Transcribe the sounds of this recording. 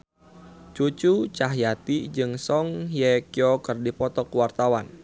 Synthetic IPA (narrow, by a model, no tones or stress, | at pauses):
t͡ʃut͡ʃut͡ʃaɦjat̪id͡ʒɨŋsɔŋjɛkiɔkɨrdipɔt̪ɔkwart̪awan